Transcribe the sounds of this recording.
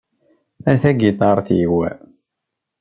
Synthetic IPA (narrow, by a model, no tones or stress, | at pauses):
æθæɡit̪ˤɑɾˤθiwæ